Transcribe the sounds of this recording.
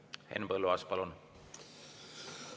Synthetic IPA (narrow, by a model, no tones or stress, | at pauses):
hḛnbəlːoɑspɑlon